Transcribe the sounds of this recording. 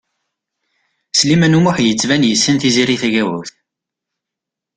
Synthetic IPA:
slimænumʊħjət͡sːvænjəsːənθiziɾiθæʝæwuθ

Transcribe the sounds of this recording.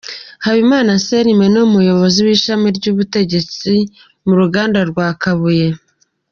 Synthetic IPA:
haβimaːnase̞ɾime̞numujo̞βo̞ziwiːʃamiɾɟuːβute̞ɟe̞t͡si | muɾuɡaːndaɾɡwaːkaβuje̞

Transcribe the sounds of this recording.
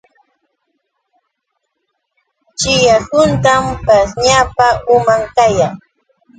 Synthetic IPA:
t͡ʃɪjahʊnt̪ampasɲapaʔʊmaŋkajaŋ

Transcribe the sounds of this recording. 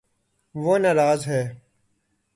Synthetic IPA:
ʋoːnaɾaːzɦɛː

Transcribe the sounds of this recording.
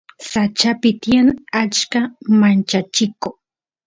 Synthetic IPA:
sat͡ʃapɪt̪janat͡ʃkamant͡ʃat͡ʃɪko

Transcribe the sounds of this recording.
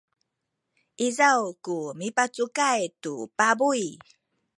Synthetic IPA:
ʔizawkumipat͡sukajtupabuj

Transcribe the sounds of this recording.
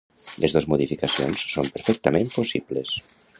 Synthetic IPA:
lʔezðozmoðifikasionsːompeɾfɛk̚t̪amẽmposiβles

